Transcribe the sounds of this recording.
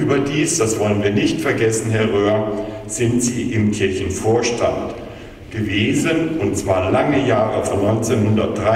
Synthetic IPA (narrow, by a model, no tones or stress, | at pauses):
yːbɐdiːsd̥asv̥ɔlənviːɐnɪçtfɛɐɡɛsn̩ɦɛɐʁøːɐz̥ɪntz̥iːʔɪmkʰɪɐçn̩foːɐʃta̰nt | ɡ̥əveːzənʊntt͡sv̥aːɐlaŋəjaːʁəfɔnɔʏnt͡senhʊndɐt̚d̥ʁa